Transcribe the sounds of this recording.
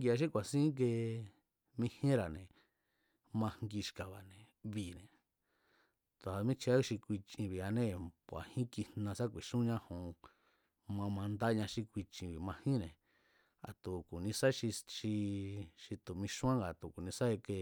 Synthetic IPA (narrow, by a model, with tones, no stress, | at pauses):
ŋɡi˧a˧ʃ̬i˦kʷa˨sĩ˦k̬e˧ | mĩ˧hẽ˦ɾa˨nẽ˨ | mã˧ŋɡi˧ʃka˨βa˨nẽ˨ | βi˨nẽ˨ | t̪o˨a˧mĩ˦t͡ʃʰa˦˧ʃi˧kʷi˧t͡ʃĩ˧βi˨a˧nẽ˦˨kʷa̰˨hĩ˦ki˧nnã˧sa˦k̬ʷi˨ʃũ˦ɲã˦hõ˨˧˨ | mã˧mã˧nd̪a˦˧ɲã˧ʃi˧kʷi˧t͡ʃĩ˧βi˨mã˧hĩ˦nẽ˨ | a̰˨t̪u˨ku˨nĩ˧sa˦ʃi˧ʃi˧ʃi˧t̪u˨mĩ˧ʃũ˦ã˦ŋɡa˨t̪u˨ku˨nĩ˧sa˦e˧ke˧